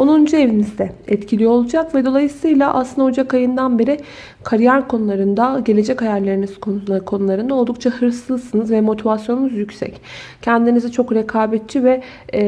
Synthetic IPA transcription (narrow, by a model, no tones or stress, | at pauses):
onund͡ʒue̞vinizd̪ɛɛt̪cʰilʲijoolˠud͡ʒakvɛd̪o̞lˠajɯsɯjlˠaʔa̰slɯnd̪aod͡ʒakajɯnd̪anbe̞ɾɪ | kʰaɾijæɾkʰo̞nulˠaɾɯnd̪aɟe̞lʲe̞d͡ʒɛchajæɾlʲe̞ɾinizkʰokʰo̞nulˠaɾɯnd̪aolˠd̪uk̚t͡ʃʰahɯɾsɯzˠsɯnɯzvɛmo̞t̪ʰivasjo̞nunuzjycʲsɛ̰ccʰɛnd̪inizɛt͡ʃʰo̞kɾɛkʰaːbɛt̪̚t͡ʃʰivɛ